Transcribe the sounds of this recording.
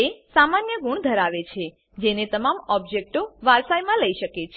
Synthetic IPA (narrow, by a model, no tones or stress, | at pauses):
esamanjəɡuɳ̃d̪ʱəɾaʋet͡ʃʰe | d͡ʒenet̪əmamɔb̚d͡ʒek̚ʈoʋaɾsajmãləiʃəket͡ʃʰ